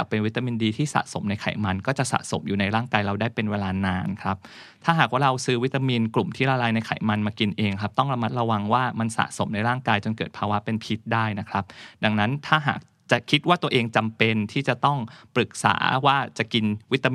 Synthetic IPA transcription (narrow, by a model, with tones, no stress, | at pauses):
a˨˩pːe˧nwi˦˥t̪ːa˧miː˧ndiː˧t̪ʰiː˥˩sa̰˨˩so˩˦mna˧jkʰa̰˨˩˦jma˧nkɔː˥˩t͡ɕa˨˩ʔsa̰˨˩so˩˦mjuː˨˩na˧jɾaː˥˩ŋkaː˧jɾa˧wdaː˥˩jpe˧nweː˧laː˧naː˧nkʰɾa˦˥p̚ | t̪ʰaː˥˩ɦaː˨˩k̚waː˥˩ɾa˧wsɯː˦˥wi˦˥t̪ːa˧miː˧nklu˨˩mt̪ʰiː˥˩ɾaː˧laː˧jna˧jkʰa̰˨˩˦jma˧nmaː˧ki˧nʔeː˧ŋkʰɾa˦˥p̚t̪ɔ˥˩ŋɾa˧ma˦˥t̪̚ɾa˧wa˧ŋwaː˥˩ma˧nsa̰˨˩so˨˩˦mna˧jɾaː˥˩ŋkaː˧jt͡ɕo˧nkɤː˨˩t̪̚pʰaː˧wa˦˥pe˧npʰi˦˥t̪̚daː˥˩jna˦˥kʰɾa˦˥p̚da˧˩ŋna˦˥nt̪ʰaː˥˩ɦa̰ː˨˩k̚ | t͡ɕa˨˩ʔkʰi˦˥t̪̚waː˥˩t̪u˧ɐʔeː˧ŋt͡ɕa˧mpe˧nt̪ʰiː˥˩t͡ɕa˨˩t̪ɔ˥˩ŋpɾɯ˨˩k̚sa̰ː˩˦waː˥˩t͡ɕa˨˩ki˧nwi˦˥t̪ːa˧m